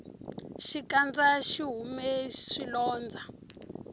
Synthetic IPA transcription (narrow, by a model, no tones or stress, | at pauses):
ʃikand͡zaʃiɦumɛʃilɔːnd͡zʱa